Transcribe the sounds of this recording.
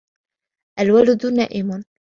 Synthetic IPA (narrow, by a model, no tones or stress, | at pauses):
ʔalwald̪ʊnaːʔɪmʊn